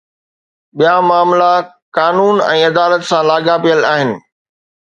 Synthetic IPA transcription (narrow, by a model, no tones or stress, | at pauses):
ɓijamaːmla | kaːnuːnɛ̰̃ːɐd̪aːlət̪sãlaːɡapijəlaːɦɪnɪ̆